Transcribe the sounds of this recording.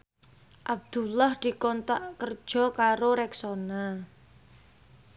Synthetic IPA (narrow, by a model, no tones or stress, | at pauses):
ʔab̚d̪̥ulahd̪̥i̤kɔnt̪aʔkər̥ʒ̥ɔ̤kaɾoɾɛksona